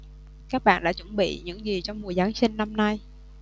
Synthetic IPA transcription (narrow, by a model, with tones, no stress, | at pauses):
kaː˦˥k̚ɓa̰ː˧˨nɗa̰ː˧˥t͡ɕə˧˩nɓḭ˧˨ɲɨ̰˧˥ŋzi˨˩t͡ɕɔ˧wŋ͡mmu˨˩əzaː˨˦ŋsï˧ŋ̟na˧mna˧j